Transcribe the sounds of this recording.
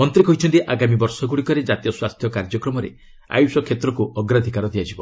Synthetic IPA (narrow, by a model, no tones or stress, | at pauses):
mɔnt̪ɾikɔɦit͡ʃʰɔnt̪iʔaɡamibɔɾsɔɡuɽikɔɾed͡ʒat̪ijɔswast̪ʰjɔkaɾd͡ʒɔkɾɔmɔɾḛ | a̰jusɔkʰet̪ɾɔkuɔɡɾad̪ʱikaɾɔd̪ʱiad͡ʒʱibɔ